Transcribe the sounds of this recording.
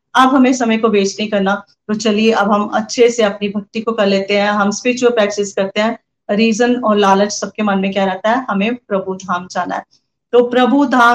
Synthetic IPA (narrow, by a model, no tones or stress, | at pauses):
ɐbɦɐmẽsɐməjkobeːt͡ʃnɐɦĩkɐɾna | t̪ot͡ʃɐlieʔɐbɦɐmɐ̰tːʃʰeseɐpnibʱɐk̚t̪ikokɐɾleːt̪eɦɛ̃ɦɐmspiːt͡ʃwəlpɛːk̚sɪskɐɾt̪eɦɛ̃ | ɾiːzənɔːɾlaːlət͡ʃsɐb̚kemɐnmẽkjaɾɛɦt̪aɦɛɦɐmẽpɾɐbʱud̪ʱaːmd͡ʒaːna̰ɦɛ | t̪oːpɾɐbʱud̪ʱaː